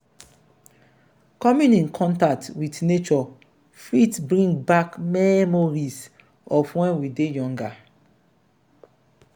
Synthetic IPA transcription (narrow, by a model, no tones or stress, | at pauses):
kɔmĩnĩnkʰɔ̃ntak̚twitnet͡ʃɔ | fɾitbɾĩŋɡbakmɛmoɾis | ɔfwɛ̃nwidejɔ̃ŋɡa